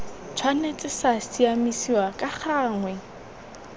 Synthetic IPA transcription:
t͡sʰwanet͡sʼɪsasiamisiwakʼaχaːŋwɛ

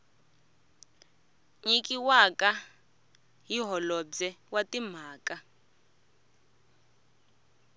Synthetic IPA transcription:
ɲik̬ʼiwakʼa | ɦiɦɔlɔd͡zɛwatim̤aːkʼa

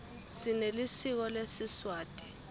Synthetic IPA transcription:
sinelisik̬ɔlesiswaːd̥ʼi̥

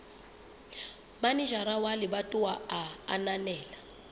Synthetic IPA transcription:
baniʒaɾawaliɓatʼuwaa̰ːnanɛːla

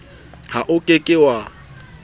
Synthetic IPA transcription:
haʔʊkʼekʼɪwa

